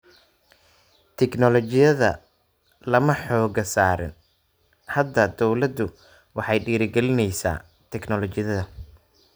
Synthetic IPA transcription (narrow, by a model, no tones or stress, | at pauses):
t̪ʰɛknɔlɔt͡ʃɪjɐðɐ̰ | lɐmɐħɔːɡɐsaːɾɪ̰n | hɐd̪ɐd̪ɔwlɐd̪ːʊ | wɑħɑjɖiːɾɪɡɛlɪnɛjsa̰ː | t̪ʰɛɡnɔlɔt͡ʃɪjɐðɐ